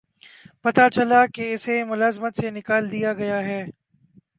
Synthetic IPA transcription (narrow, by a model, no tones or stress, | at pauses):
pɐt̪at͡ʃɐlakeɪsemʊlaːzmət̪senɪkaːld̪ijaɡɐjaɦɛː